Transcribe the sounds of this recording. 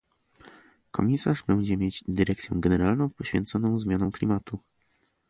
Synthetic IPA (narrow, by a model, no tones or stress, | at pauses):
kʰɔ̰mʲisaʐbɛɲd͡ʑɛmʲjed͡ʑd̪ɘɾɛk̚t̪sʲjɛ̰wɡɛnɛɾalnɔ̃w̃pɔɕfʲɛ̰nt̪sɔnɔ̃w̃zmʲjanɔ̃w̃klʲimat̪u